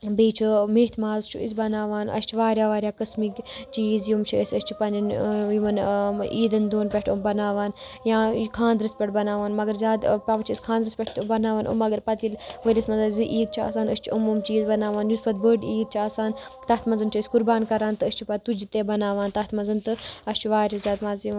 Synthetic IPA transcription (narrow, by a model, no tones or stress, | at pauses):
beːt͡ʃʰumeːt̪ʰmaːzt͡ʃʰṵḭsbɐnaːʋaːnʔɐ̰st͡ʃʰuʋaːɾʲjaːʋaːɾʲjaːkɐsmikt͡ʃiːzjumt͡ʃʰiəsʲɐst͡ʃʰipɐnʲinjuʋɐniːd̪ɐnd̪oːnpʲɛʈʰumbɐnaːʋaːnjãːkʰãːnd̪ɾɨspʲɛʈbɐnaːʋaːnmɐɡɐɾzʲaːd̪pʲaʋɐt͡ʃʰiisʲkʰaːnd̪ɾɨspʲɛʈʰt̪bɐnaːʋaːnʔṵmːɐɡɐɾpɐt̪ilʋəɾʲɐsmɐnzaːzɨʔiːd̪̚t͡ʃʰa̰ːsaːnəst͡ʃʰuumumt͡ʃiːzbɐnaːʋaːnjuspɐd̪̚bəɖiːd̪̚t͡ʃʰaːsaːnt̪ɐt̪ʰmɐnzɐnt͡ʃʰɐːsʲkuɾbaːnkɐɾaːnt̪ɨəsʲt͡ʃʰupɐt̪ud͡ʒit̪ebɐnaːʋaːnt̪ɐt̪ʰmɐnzɐnt̪ɨɐst͡ʃʰuʋaːɾʲazʲaːd̪mazjin